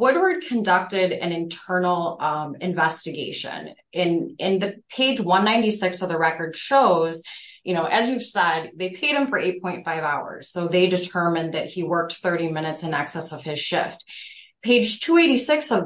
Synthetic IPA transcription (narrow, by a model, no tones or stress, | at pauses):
wʊd̚wə˞d̚kʰɨ̃ndʌk̚tɪɾɨ̰̃nɨ̃ntʰɜ˞nl̩ˠɨ̃ɱvɛstɨɡeɪʃɨ̰̃n | ɨ̃nɨ̃nðɨpʰeɪd͡ʒwʌ̃nːãɪ̃ntisɪksʌvðɨɹɛkə˞d̥ʃoʊz̥ | jʔɨñoʊʔɨzjʉv̥sɛd̪̚ðeɪpʰeɪɾ̚ɨ̃ɱfə˞ʔeɪt̚pʰɔ̃ɪ̃ntfaɪvaʊə̰˞z̥soʊðeɪdɨtʰɜ˞mɨ̃nðɨt̚hiwɜ˞k̚t̪θɜ˞ɾĩmɪ̃ñɨtsɨ̃næksɛsʌv̥ɨz̥ʃɪ̰ft̚ | pʰeɪ̥d͡ʒtʰueɪɾisɪksʌv